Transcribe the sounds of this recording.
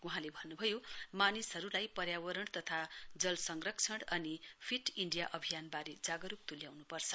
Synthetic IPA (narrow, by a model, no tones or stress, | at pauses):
uɦãlebʱʌnːubʱʌjomanisɦʌɾulajpʌɾjawʌɾʌɽ̃t̪ʌt̪ʰad͡zʌlsʌŋɡrʌkt͡sʰʌɽʌnipʰiʈiɳɖijaʔʌbʱijanbaɾed͡zaɡʌɾup̚t̪uljawnupʌrt͡sʰʌ̥